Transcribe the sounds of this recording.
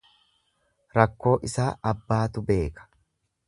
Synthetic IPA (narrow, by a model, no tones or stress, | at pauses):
ɾɐkːo̞ːʔɪsaːɐbːaːt̪ʊbe̞ːkɐ̥